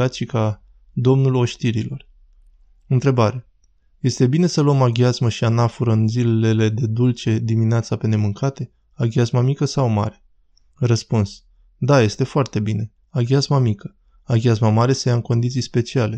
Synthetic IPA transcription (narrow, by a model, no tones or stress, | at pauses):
at̪ʃika | d̪o̞mnulo̞ʃt̪iɾilo̞r | ɨnt̪ɾe̞baɾa | je̞st̪e̞bine̞səluəmaɡʲazməʃianafuɾəɨnzilele̞le̞d̪e̞d̪ult͡ʃe̞d̪imineat̪sape̞ne̞mɨŋkʰat̪e̞ | aɡʲiazmamikəsawma̰ɾe̞̥ | rəspuns | d̪aje̞st̪e̞foart̪e̞bine̞ | aɡʲiazmamikə̥ | aɡʲiazmamaɾe̞səjaɨŋko̞nd̪it̪sijspe̞t͡ʃiale̞